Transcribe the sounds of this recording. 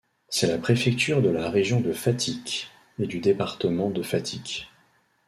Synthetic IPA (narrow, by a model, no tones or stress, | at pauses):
sɛlapχefɛk̚t̪yʁd̪əlaʁeʒjɔ̃d̪əfat̪ʰikʲ | ed̪yd̪epaʁt̪əmɑ̃d̪əfat̪ʰikʲ